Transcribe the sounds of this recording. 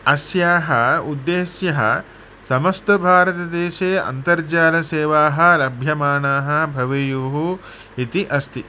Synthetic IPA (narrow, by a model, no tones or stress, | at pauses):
ɐsjaːɦɐud̪ːeːʃjɐɦɐ̰ | sɐmɐst̪ɐbʱaːɾɐt̪ɐd̪eːʃeːɐ̰nt̪ɐɾd͡ʒaːlɐseːʋaːɦɐ̆lɐbʱjɐmaːɳaːɦɐ̆bʱɐʋejuːɦu | it̪iʔɐst̪ʰi